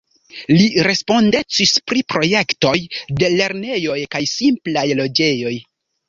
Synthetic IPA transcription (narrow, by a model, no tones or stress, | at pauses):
liɾe̞spo̞ndet͡sispɾipɾo̞je̞kto̞jde̞le̞ɾne̞jo̞jkajsimplajlo̞d͡ʒe̞jo̞j